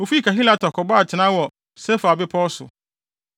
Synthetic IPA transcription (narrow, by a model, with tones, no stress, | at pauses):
o˨fi˦i˦kʰa˨ɦi˦la˨tʰɔ˨kʰɔ˨ba˦˨t͡ɕʰɪ˨nã˦wɔ˨ | sɛ˦fa˨bɪ˦pʰɔː˦sʊ̰˨